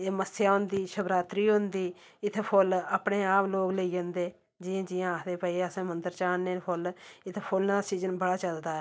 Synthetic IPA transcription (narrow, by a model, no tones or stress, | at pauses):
eːməsjaːɦʊ̃nd̪iːʃəbɾaːt̪ɾiːʊ̃nd̪iː | ɪt̪ʰpʰʊlaːpɽeːaːploːɡləiːd͡ʒə̃nd̪eː | d͡ʒɪjãːd͡ʒɪjãːkʰd̪eːpəiːəsãːmənd̪əɾt͡ʃaːnːeːpʰʊlɪt̪ʰpʰʊlnaːsiːzənbəɽaːt͡ʃəld̪aːɛ